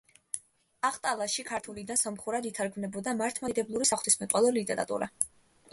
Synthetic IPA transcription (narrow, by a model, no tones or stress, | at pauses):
aχt̪ʼalˠaʃikʰaɾt̪ʰulid̪ansamχuɾad̪it̪ʰaɾɡmnɛbɔd̪amaɾt̪ʰmad̪ɛblˠuɾisaχt̪ismɛt̪ʼwɛlˠɔlit̪ʼɛɾa̰t̪ʼṵɾa